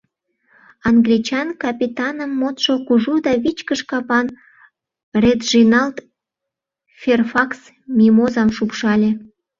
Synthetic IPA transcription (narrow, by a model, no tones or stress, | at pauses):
ɑŋɡlʲit͡ɕɑnkɑpʲit̪ɑnəmːot̪ʃokuʒud̪ɑβit͡ɕkəʃkɑpɑn | ret̪ʒinɑlt̪ | fʲerfɑks | mʲimozɑmʃukʃɑlʲe